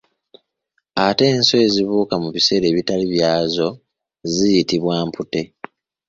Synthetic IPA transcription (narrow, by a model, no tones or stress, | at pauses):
ate̞ːnsoe̞ziβuːkamuβise̞ːɾe̞ːβitaliβjaːzo̞ | zijitiβwaːmpute̞